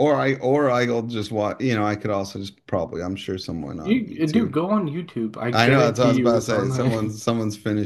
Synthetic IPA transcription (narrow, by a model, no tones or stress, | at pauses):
ʔə˞aɪʔə˞aɪl̩ˠd͡ʒʌst̚wɑjɨñoʊaɪkʰɨɾɔlˠsoʊd͡ʒʌspʰɹ̥ɑ̰bəbliãɪ̃mʃʊɹsʌ̃mwʌ̰̃n̰ɨdɨɡoʊə̃njʉtʰʉba̰ɪʔaɪnoʊðætsɔzbaseɪsʌ̃mwʌ̃nzsʌ̃mwʌ̃nz̥fɪ̃nɨ